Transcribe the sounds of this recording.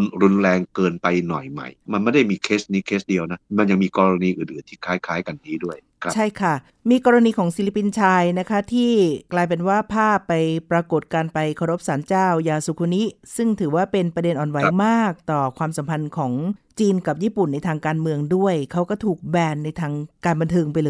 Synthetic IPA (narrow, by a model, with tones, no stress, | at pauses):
nɾu˧nɾɛː˧ŋkɤː˧npa˧jnɔ̰˨˩jma̰˨˩jma˧nma˥˩jda˥˩jmiː˧kʰeː˦˥sniː˦˥kʰeː˦˥sdi˧əwna˦˥ma˧nja˧ŋmiː˧kɔː˧ɾa˧niː˧ʔɯː˨˩nʔɯː˨˩˦nt̪ʰiː˥˩kʰaː˦˥jkʰaː˦˥jka˧nːiː˦˥du˥˩əjʰt͡ɕʰa˥˩jkʰa˥˩ | miː˧kɔː˧ɾa˧niː˧kʰɔː˩˦ŋsi˧˦li˦˥pi˧nt͡ɕʰaː˧jna˦˥kʰa˦˥t̪ʰiː˥˩klaː˧jp̬e˧nwaː˥˩pʰaː˥˩pːa˧jpɾa˧ko˨˩t̪̚kaː˧npa˧jkʰa˧ɾo˦˥p̚saː˩˦nt͡ɕaː˥˩wjaː˧su˨˩kʰu˧ni˦˥sɯ˥˩ŋt̪ʰɯː˩˦waː˥˩pe˧npɾa˧de˧nʔɔː˨˩nwa˨˩˦jmaː˥˩k̚t̪ɔː˨˩kʰwaː˧msa˩˦mpʰa˧nkʰɔː˩˦ŋt͡ɕiː˧nka˨˩p̚jiː˥˩pu˨˩nːa˧jt̪ʰaː˧ŋkaː˧nmɯ˧əŋdu˥˩əjkʰa˦˥wkɔː˥˩t̪ʰuː˨˩k̚bɛː˧nːa˧jt̪ʰaː˧ŋkaː˧nba˧nt̪ʰɤː˧ŋpa˧jlː